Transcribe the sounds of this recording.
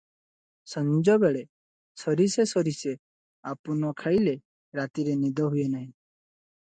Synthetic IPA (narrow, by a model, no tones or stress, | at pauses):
sɔnd͡ʒɔbeɭe | sɔɾisesɔɾise | apunɔkʰajle | ɾat̪iɾenid̪ɔɦujenaɦĩ